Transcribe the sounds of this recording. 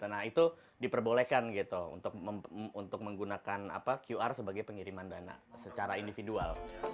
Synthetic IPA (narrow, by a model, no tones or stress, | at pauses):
ənaɦit̪u | dipərbolekanɡit̪uṵnt̪ʊk̚əunt̪ʊk̚məŋɡunakana̰pakjuarsəbaɡajpəŋiɾimandana̰sət͡ʃaɾaindifidua̰l